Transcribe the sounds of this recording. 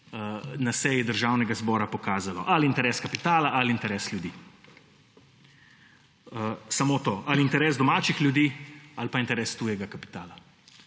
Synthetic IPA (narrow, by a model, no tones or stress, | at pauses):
ənasɛjid̪əɾʒaːwnɛɡazbɔːɾapɔkaːzalɔ̰ʔaliːnt̪ɛɾɛːskɐpit̪aːlaʔaliint̪ɛɾɛːsljud̪iː | əsamot̪oːʔaliːnt̪ɛɾɛːsd̪ɔmaːt͡ʃixlʲjud̪iːalpaint̪ɛɾɛːst̪ujɛɡakapi̥t̪aːla